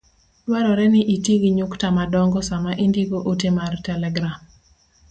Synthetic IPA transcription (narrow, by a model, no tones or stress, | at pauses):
lwaɾɔɾɛnɪʔitiɡiɲuktamadɔŋɡɔsamaʔindiɡoʔotemartɛlɛɡɾam